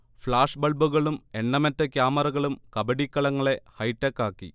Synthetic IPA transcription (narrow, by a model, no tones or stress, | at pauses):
fɭaːʂbɐɭbuɣɐɭume̞ɳːɐmɐtːɐkjaːmɐrɐɣɐɭumkɐbɐɽikːɐɭɐŋːɐɭe̞hɐjtːɐkːaːkːḭ